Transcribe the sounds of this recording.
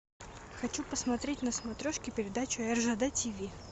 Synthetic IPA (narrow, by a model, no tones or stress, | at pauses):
xɐt͡ɕupəsmɐt̪ɾʲetʲnəsmɐt̪ɾʲoʂkʲɪpʲɪɾʲɪd̪at͡ɕʊɛrʐəd̪ɛtʲɪvʲi